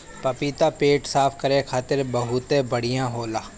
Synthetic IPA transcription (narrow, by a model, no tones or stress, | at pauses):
pɐpiːt̪apeːʈsaːpʰkɐɾekʰaːt̪ɪɾbɐɦʊt̪ebɐɽijãɦoːlaː